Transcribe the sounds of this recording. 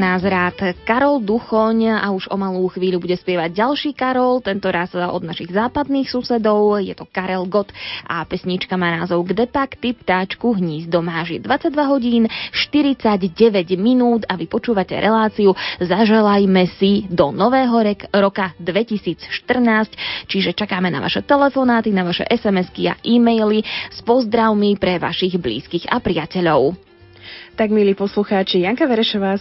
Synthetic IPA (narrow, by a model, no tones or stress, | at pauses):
naːzɾaːt̪kaɾɔld̪uxɔɲa̰uʒɔmaluːxʋiːʎubuɟɛspɪɛʋaɟɟalʃiːkaɾɔlt̪ɛnt̪ɔɾasɔ̰d̪naʃiɣzaːpad̪niːxsusɛd̪ɔʊjɛ̰t̪ɔkaɾɛlɡɔt̪ʔa̰pɛsɲit͡ʃkamaːnaːzɔʊɡd̪ɛpakt̪ipt̪aːt͡ʃkuɦɲiːzd̪ɔmaːʒid̪ʋat͡saɟ̚ʲd̪ʋaɦɔɟiːnʃt̪iɾit͡saɟɟɛʋɛɟminuːd̪aʋipɔt͡ʃuːʋacɛ̰ɾʔɛlaːt͡siuzaʒɛlajmɛsid̪ɔnɔʋɛːɦɔɾɔkad̪ʋɛcisiːt͡sʃt̪r̩naːsct͡ʃiʒɛt͡ʃakaːmɛna̰ʋa̰ʃɛt̪ɛlɛfɔnaːt̪inaʋaʃɛ̰ʔɛsɛmɛskia̰ʔiːmɛjlispɔzd̪ɾaʊmipɾɛʋa̰ʃiɣblḭːskiɣa̰pɾɪacɛʎɔʊ | t̪aɡmiliːpɔsluxaːt͡ʃijaŋkaʋɛɾɛʃɔʋaː